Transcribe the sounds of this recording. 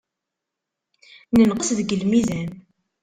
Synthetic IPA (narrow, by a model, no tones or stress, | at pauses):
nənqəsðəɡəlmizæn